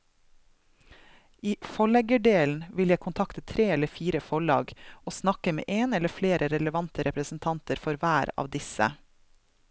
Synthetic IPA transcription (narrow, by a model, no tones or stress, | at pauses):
iːfɔɭɛɡəɖeːln̩ʋɪljæɪkʰʊnt̪ʰɑkt̪ət̪ʰɾeːɛləfiːɾəfɔɭɑ̰ːɡoːsnɑkəmḛːʔeːnɛləfleːɾʔəɾɛləʋɑnt̪əɾɛpɾəsn̩t̪ʰɑnt̪əɾfɔɾʋæːɾɑ̰ːʋd̪ɪsə̰